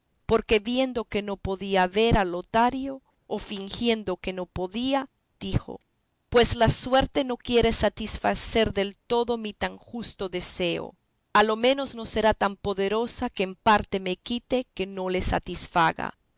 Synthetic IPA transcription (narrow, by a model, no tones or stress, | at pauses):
po̞ɾke̞βje̞nd̪o̞ke̞no̞po̞ðiaβe̞ɾalot̪aɾjo̞ː | fiŋxje̞nd̪oke̞no̞po̞ðia | d̪̥ixo̰ | pwe̞slaswe̞ɾt̪e̞no̞kje̞ɾesat̪isfa̰se̞ɾðe̞lt̪o̞ðo̞mit̪aŋxust̪o̞ðese̞o̰ | alo̞mẽ̞no̞zno̞se̞ɾat̪ampo̞ðe̞ɾo̞sakeːmpaɾt̪e̞mekit̪eke̞no̞le̞sa̰t̪isfaɣa̰